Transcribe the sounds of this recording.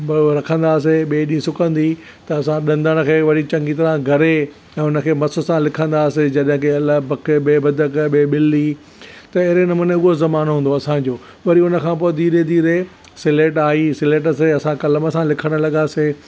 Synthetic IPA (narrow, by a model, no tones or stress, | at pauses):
ɾɐkʰə̃nd̪aːs̬eɓeːɗĩːsʊkə̃nd̪i | t̪ɐɐsãɗɐ̃nd̪əɽ̃kʰeːʋɐɾ̤it͡ɕɐ̃ŋɡit̪ɐɾãɡʱɐɾe | ɛ̃ːʊnə̆kʰeːmɐsə̆sãlɪkʰə̃nd̪aːsed͡ʑɐɗɦɪ̃keɐləbɐkʰəɓeːbɐd̪ʱəkɓeːɓɪlːi | t̪ɐɪɦɾenɐmʊneʊɦozɐmaːnɦũːnd̪oɐsãd͡ʑoː | ʋɐɾiʊnə̆kʰãːpoːɪd̪iːɾed̪iːɾe | sɪleːʈaːisɪleːʈ̬əs̬eɐsãkɐləmə̆sãlɪkʰəɽ̃ə̆lɐɠaːse